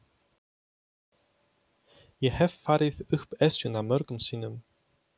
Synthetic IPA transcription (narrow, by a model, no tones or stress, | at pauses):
jɛhɛvfaːɾɪðʏhpɛsʏnamœɾkʏmsiːnʏm